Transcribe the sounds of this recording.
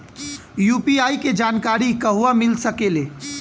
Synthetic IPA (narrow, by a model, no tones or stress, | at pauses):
jupiaːiked͡ʒaːnkaɾikəɦuamilsəkele